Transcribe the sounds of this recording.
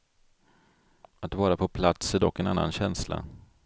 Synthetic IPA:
at̪vɑːɾapʰɔpʰlat̪sæd̪ɔkːɛna̰nːa̰nɕɛnsla̰

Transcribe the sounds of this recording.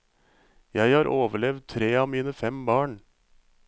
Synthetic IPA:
jæɪhɑːɾʔoːʋəɭɛʋd̪̚t̪ʰɾeːɑːʋmiːnəfɛmbɑːɳ

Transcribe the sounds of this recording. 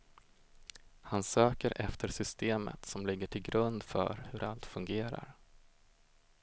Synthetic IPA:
hansøːkəɾʔɛft̪ʰəɾʂʏst̪eːmə̰t̪sɔmlɪɡːəʈʰɪlɡɾɵnd̪fœ̰ɾhɵɾʔalt̪fɵŋɡeːɾa̰ɾ

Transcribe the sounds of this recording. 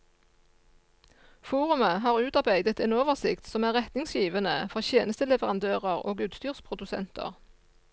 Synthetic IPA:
fuːʁʉməɦɑːʁʉːt̪ɑʁbæɪd̪ət̪eːnoːʋəʁsɪkt̪sɔmæːʁɛt̪nɪŋsjiːʋənəfɔʁçjeːnəst̪əlɛʋəʁɑnd̪øːʁəʁo̰ːɡʉːt̪st̪yːʁspʰʁʊd̪ʉsɛ̰nt̪ʰə̰ʁ

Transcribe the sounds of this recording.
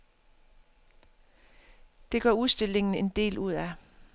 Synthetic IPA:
d̥e̝ɡ̥ɶɐuðˠsd̥e̝l̰e̝ŋn̩e̝nd̥e̝̰ːlʔuð̞̰ˠæ

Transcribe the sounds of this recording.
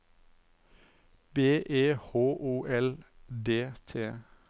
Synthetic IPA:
beːʔeːhoːʔuːʔɛld̪eːt̪ʰeː

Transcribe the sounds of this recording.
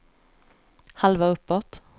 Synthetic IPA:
halʋaɵpːɔt̪h

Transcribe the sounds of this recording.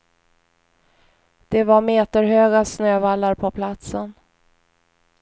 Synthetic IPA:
d̪̥ɛvaɾmeːt̪əɾɦøːɡasnøːvalːaɾpʰɔpʰlat̪sən

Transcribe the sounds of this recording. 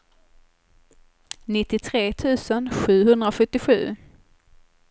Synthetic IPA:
nɪt̪ːɪt̪ʰɾeːt̪ʰʉ̟ːsənɧʉ̟ːɦɵnd̪ɾaɧɵt̪ːɪɧʉ̟̰ː

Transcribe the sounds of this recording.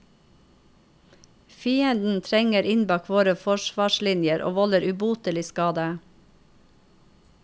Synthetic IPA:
fiːənd̪n̩t̪ʰɾɛŋəɾɪnbɑːkʰʋoːɾəfɔʃʋɑːʃlɪnjəɾʔo̰ːʋɔləɾʉbuːt̪əlɪskɑːd̪ə

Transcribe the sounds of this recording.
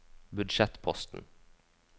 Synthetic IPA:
bʉd̪ʃɛt̪pʰɔst̪n̩

